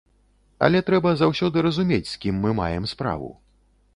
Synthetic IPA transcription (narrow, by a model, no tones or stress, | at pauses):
ɐ̰lʲɛt̪ɾɛbɐzawsʲɔd̪ɨɾɐzumʲet͡sʲskʲimːɨma̰jɛmspɾa̰vṵ